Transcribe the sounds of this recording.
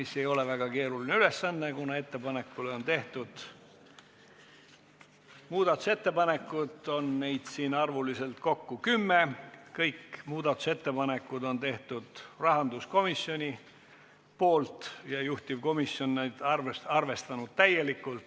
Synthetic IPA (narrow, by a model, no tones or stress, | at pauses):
misːe̞jo̞levæɡ̥ɑke̞ːɾulineyle̞sːɑnːe̞kunɑe̞t̪ːe̞pɑne̞kːuleo̞nt̪e̞ht̪ud̪̥ | muːd̪̥ɑt̪ːuse̞t̪ːe̞pɑne̞kːˑud̪o̞nne̞jd̪̥siːnɑrvulise̞lt̪ko̞kːukymːekɤjkmuːd̪ɑt̪ːˑu̥se̞t̪ːe̞pɑne̞kːˑud̪o̞nt̪e̞ht̪ud̪̥rɑɦɑnd̪usko̞misjo̞nʲi | po̞ːlt̪jɑjuht̪ʲiv̥ko̞misjo̞nːed̪̥ɑrvɑrve̞st̪ɑnud̪̥̚t̪æjːe̞likːˑult̪